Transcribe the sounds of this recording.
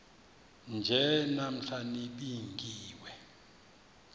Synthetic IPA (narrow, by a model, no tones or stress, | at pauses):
nd͡ʒʱɛnam̩ɬʰaniɓiŋɡʱiːwɛ